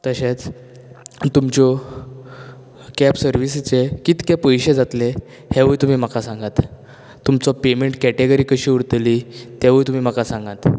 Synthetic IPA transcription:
t̪əɕet͡s | t̪umt͡ɕɔ | kɛpsəɾʋist͡sekit̪kɛpəjɕed͡zat̪le | heʋəjt̪um̤iːm̤akasãŋɡat̪ | t̪umt͡sɔpemeɳʈkæʈeɡəɾikəɕiːuɽt̪lit̪ɛʋəjt̪um̤iːm̤akasãŋɡat̪

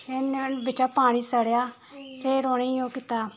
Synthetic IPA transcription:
enbɪt͡ʃaːpaːɽ̃iːsəɽjaː | pʰeːɾoːneoːkɪt̪aː

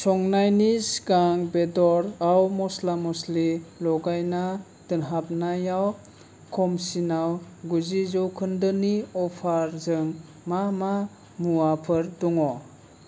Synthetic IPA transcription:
sɔŋnajnisɡaŋbedɔɾawmɔslamɔslilɔɡajna | tɯnɦap̚najaw | kʰɔmsinawɡuzizɔwkʰɯndɯniɔpʰaɾzɯŋ | mama | muapʰɯɾdɔŋɔ

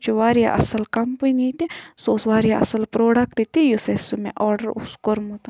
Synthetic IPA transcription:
t͡ʃuʋaːɾija̰ʔɐ̰sɐlkɐmpɐnit̪isoːsʋaːɾijaɐsɐlpɾoːɖɐkʈit̪ijusesumḛ̃ʔɔːɾɖɐɾṵskoɾmut̪a

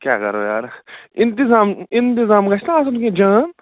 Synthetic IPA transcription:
kja̰ːkɐ̰ɾo̰ːja̰ːɾɪnt̪ɪzaːmɪnt̪ɪzaːmkaʃt̪aːsot̪ukẽd͡ʒãːn

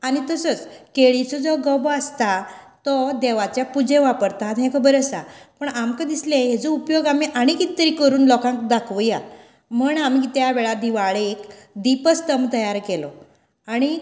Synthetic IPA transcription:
aɽ̃it̪əsət͡skeɭit͡sɔd͡zɔɡɔbəst̪at̪ɔd̪eʋat͡ɕjapud͡zẽʋapəɾt̪aɦt̪ɦɛ̃kʰəbəɾəsapəɳamkəd̪islẽɦed͡zɔupjoɡamiʔaɽ̃ikit̪ːəɾiːkəɾuːnlɔkãŋkd̪akʰʋəja | m̤əɳamit̪jaʋɛɭad̪iʋaɭeːkd̪ipəst̪əmt̪əjaɾkelɔ | aɽ̃i

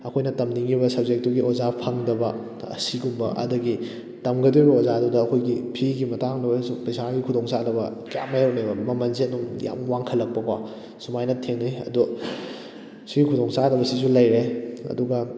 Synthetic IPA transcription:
ɐkʰojnɐtɐmniŋibɐsɐb̚zek̚tuɡiʔozapʰaŋdɐbɐ | ɐ̰siɡumbɐ̰ʔɐ̰dɐɡi | tɐmɡɐdojbɐozadudɐːkʰojɡipʰiɡimɐtaŋnɐwesupɐjsaɡikʰudoŋsadɐbɐkɐja̰majawnebɐmɐmɐnzenuŋja̰mwaŋkʰɐlːɐk̚pɐka | sumajnɐtʰeŋnijɐ̰du | siɡikʰudoŋsadɐbɐsisulɐjɾeɐ̰duɡɐ

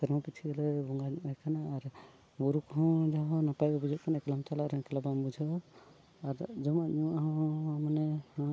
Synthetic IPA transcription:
sɛɾmɔpit͡ʃʰiɡɛlɛbɔŋɡaɲuʔajkʰanaːɾ | buɾukɦɔ̃d͡ʒaɦɔ̃napajbɔbud͡ʒʱɔʔ̚kʰanakɛlamt͡ʃalaɾɔkɛlabambud͡ʒʱɔ | aɾd͡ʒɔmaɲuʔaɦɔ̃manɛhɔ̃

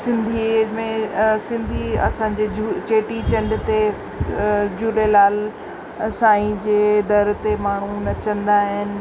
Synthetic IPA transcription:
sɪ̃nd̪ʱimẽsɪ̃nd̪ʱiɐ̰sãɲd͡ʑed͡ʑut͡ɕeːʈit͡ɕɐ̃ɳɖt̪e | d͡ʑuːlelaːl | saːĩd͡ʑeːd̪ɐɾt̪emaːɳ̤unɐt͡ɕɐ̃nd̪aːɦɪnɪ̆

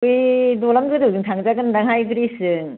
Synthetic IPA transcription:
jdolamɡɯdɯwdɯŋtʰaŋzaɡɯndaŋɦajɡɯɾisɯŋ

